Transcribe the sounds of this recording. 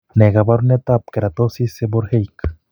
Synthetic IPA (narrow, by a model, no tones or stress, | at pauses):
neɣabaɾunet̪ap̚keɾat̪osiseboɾhejk